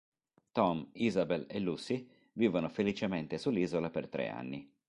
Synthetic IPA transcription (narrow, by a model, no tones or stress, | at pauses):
t̪ɔmizabelelːusːi | viːvonofelit͡ʃement̪esulːiːzolapert̪ɾḛa̰nːi